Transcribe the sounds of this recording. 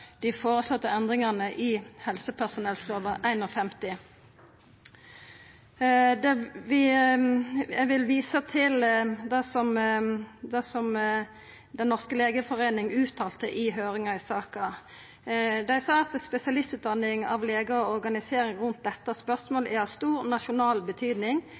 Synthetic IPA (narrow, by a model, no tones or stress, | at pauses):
d̪̥ɪfoːɾəslɔt̪ːəɛnd̪ʁɪŋɑnəʔɪhɛlsəpʰæʁsʊnɛlsloːʋəʔæɪnɔfɛmt̪ɪ | d̪ɛʋɪ | jæʋɪlʋiːsət̪ʰɪld̪ɛsɔm | d̪ɛsɔm | d̪ɛnnɔʁskəleːɡəfɔʁeːnɪŋʉːt̪ʰːɑːlt̪əʔɪɦøːɾɪŋɑɪsɑːkɑ | d̪æɪsɑːɑt̪spɛsɪɑlɪst̪ʉːt̪̚d̪ɑnːɪŋɑ̰ʋleːɡəɔɔɾɡɑnɪseːɾɪŋʁʉnt̪̚d̪ɛt̪ːɑspœʁsmoːlʔæɑst̪uːɾnɑʃʊnɑːlbət̪ʰyːd̪nɪŋ